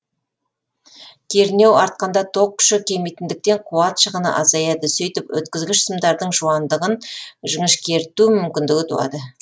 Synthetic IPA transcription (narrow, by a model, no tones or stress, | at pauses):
kʲʰe̞ɾne̞wɑɾt̪̚qɑnd̪ɑt̪ʰo̞q̚kʲːʏ̥ʃɪkʲʰe̞mijt̪ɪnd̪ɪk̚t̪e̞ɴqʰuɑt̪ʃəʁənɑ̰ʔɑzɑjɑd̪əsijt̪ɪpwɵ̰t̪kʲɪzɡʲɪʃsəmd̪ɑɾd̪əɴʒuɑnd̪əʁənʒəŋəʃkʲʰe̞ɾt̪umʏmkʲɪnd̪ɪɡʲɪt̪ʰṵɑ̰d̪ə